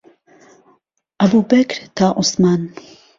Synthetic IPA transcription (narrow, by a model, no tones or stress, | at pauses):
ʔɐbuːbɐkɾt̪ʰaːʔʊsmaːn